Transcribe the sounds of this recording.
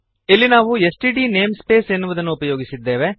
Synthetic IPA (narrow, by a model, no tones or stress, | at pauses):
ilːinaːʋuesʈiɖine̞ːmspe̞ːsenːuʋɐd̪ɐnːuupɐjo̞ːɡisid̪ːe̞ːʋe̞